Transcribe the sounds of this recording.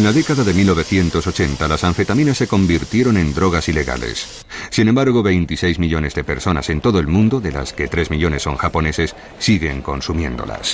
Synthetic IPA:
enlaðe̞kaðaðe̞milno̞β̞e̞θje̞nt̪o̞so̞t͡ʃe̞nt̪alasaɱfe̞t̪amĩnasːe̞ko̞mbiɾt̪je̞ɾo̞nẽ̞nd̪ɾo̞ɣ̞asile̞ɣa̰lḛsː | inẽmbaɾɣoβe̞jnt̪isejzmiʎo̞ne̞zðe̞pe̞ɾso̞na̰se̞nt̪o̞ðo̞e̞lmũnd̪oðe̞la̰ske̞t̪ɾe̞zmiʎo̞ne̞sːo̞̰ŋxapo̞ne̞se̞sː | iɣe̞ŋko̞nsumjẽ̞nd̪o̞̰la̰s

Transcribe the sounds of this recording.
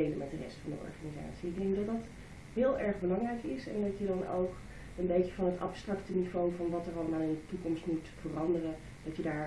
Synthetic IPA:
ejləmɛt̚dərɛ̰stfɑndə̰ɔ̰ɹχaniza̰ːtsiɪɡ̚dɛŋkmydɑt̚dɑt | ɦɪːlˠʔɛɹχbəlɑŋrɛjkɪsɛ̰ndɑtjədɑno̰wk | ənbejəvɑnɦətɑ̰pstrɑktənivowvɑnʋɑtəɹɑlˠəmaːɪndətukɔmstmutfərɑndərə | d̥ɑtjədaːɹ

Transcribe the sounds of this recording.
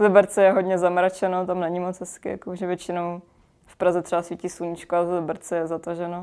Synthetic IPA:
lɛbɛɾt͡sɛjɛɦodɲɛzamɾat͡ʃɛnot̪amnɛɲɪmot͡sɦɛskɪja̰koʒɛvjɛt͡ʃɪnow | fpɾazɛt̪ɛbasʋiciːsluɲit͡ʃkoaɛvlɛbɛɾt͡sɛjɛzat̪aʒɛno

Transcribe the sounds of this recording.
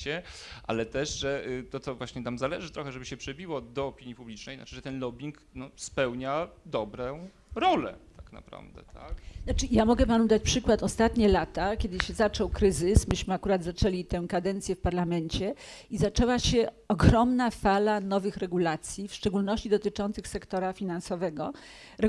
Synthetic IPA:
ɛʔa̰lɛt̪ɛʂʐɛt̪ɔt̪sɔvwaɕɲɛt̪amzalɛʐɘt̪ɾɔxɛʐɛbɘɕɛpʂɛbʲiwɔd̪ɔːpʲiɲjipublʲit͡ʂnɛjna̰ʈ͡ʂɨʐɛt̪ɛnlɔbʲiŋk | nɔspɛwɲad̪ɔbɾɛ | ɾɔlɛ̰t̪ʰakna̰pɾa̰vd̪ɛ̰t̪ʰaknat͡ʂɘjamɔɡɛpanud̪at͡ɕpʂɘkwat̪ɔst̪at̪ɲɛlat̪akʲjɛd̪ɘɕɛzat͡ʂɔwkɾɘzɘsmɘɕmɘakuɾad̪zat͡ʂɛlʲit̪ɛ̃kad̪ɛnt̪sʲjɛfpaɾlamɛnt͡ɕɛizat͡ʂɛwaɕɛ | ɔɡɾɔmnafalanɔvɘxɾɛɡulat̪sʲjifʂt͡ʂɛɡulnɔɕt͡ɕid̪ɔt̪ɘt͡ʂɔnt̪sɘxsɛkt̪ɔɾafʲinansɔvɛɡɔ | ɾɛ

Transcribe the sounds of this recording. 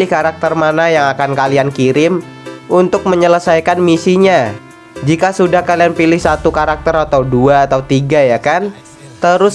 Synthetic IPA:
ɪhkaɾak̚t̪ərmanajaŋakankaliankiɾɪm | unt̪ʊk̚məɲələsajkanmisiɲa | d͡ʒikasudahkalianpilɪhsat̪ukaɾak̚t̪əɾat̪auduaːt̪aut̪iɡajakan | t̪əɾʊs

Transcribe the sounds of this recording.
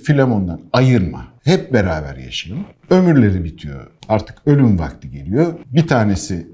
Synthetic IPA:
filʲemo̞nd̪anajɯɾma̰hɛp̚beɾaːbæ̰ɾja̰ʃajɯm | ømyɾlʲe̞ɾibit̪ʰijo̞̰aɾt̪ʰɯ̥kø̞lʲymva̰kt̪ʰɯɟe̞lʲijo̞bit̪ʰaːne̞si

